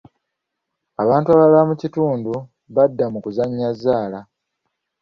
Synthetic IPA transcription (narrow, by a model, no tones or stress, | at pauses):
aβaːntuaβalamucituːndu | βadːamukuzaɲːazːaːla